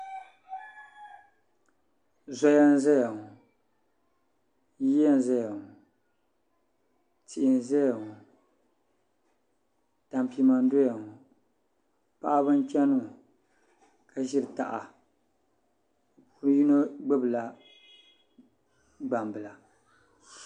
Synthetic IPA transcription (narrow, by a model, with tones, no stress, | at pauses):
zɔ˦ja˦n˦za˦ja˨ŋu˨ | ji˦a˦n˨za˦ja˨ŋu˨ | ti˨ʔɪ˨n˨zɛ˦ja˨ŋu˨ | ta˨mpi˨ma˨n˦do˦ja˨ŋu˨ | pa˦ʔa˦bɨ˦n˦t͡ʃɛ˦nu˦˨ | kʰa˦ʒi˦ɾɨ˨ta̰˨ʔa˨˦ | ɾji˦no˦ɡ͡bɨ˦bɨ˨la˨ | ɡ͡ba˨mbɨ˨la˨